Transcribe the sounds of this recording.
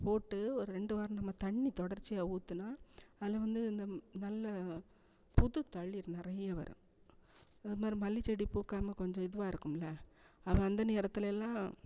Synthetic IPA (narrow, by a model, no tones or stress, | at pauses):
poːʈːɯɔɾɯɾɛɳɖɯʋaːɾɐ̃mnɐmːɐt̪ɐɳːit̪ɔɽɐɾt͡ʃːɪjaːuːt̪ːɯnaːɐðɪlɐʋɐnd̪ɯɪnd̪ɐnɐlːɐ | pʊðɯt̪ːɐɭːɪɾnɪɾɐjɐʋɐ̰ɾʔɯ̰̃ | ɐðɯmaːd̪ɾimɐlːit͡ʃːɛɽipuːkːaːmɐkɔɲd͡ʒɔ̃ɪðɯʋaːɪɾɯkːɯmlɐ | ɐʋɐ̃ɐnd̪ɐneːɾɐt̪ːɯlɛlːãː